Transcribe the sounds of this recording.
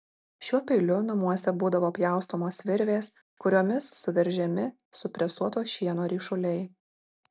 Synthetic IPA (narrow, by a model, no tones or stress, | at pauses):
ʃʲuɔpʲɛɪlʲʊnɐmuɔsʲɛbuːd̪ɐʋoːpʲjæˑʊst̪oːmoːsʋʲɪɾʲʋʲeːs | kʊɾʲoːmʲɪsːʊʋʲɛɾʲʒʲɛmʲɪ | sʊpʲɾʲɛsuɔt̪oːʃʲiɛnoːɾʲiːʃʊlʲɛɪ